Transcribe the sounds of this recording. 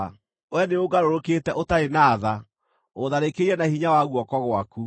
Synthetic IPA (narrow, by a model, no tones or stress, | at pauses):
wɛneoɡaɾoɾokeːtɛʔotaenaːða | oðaɾekeɾiɛnahiɲawaɣwɔkɔɣwaku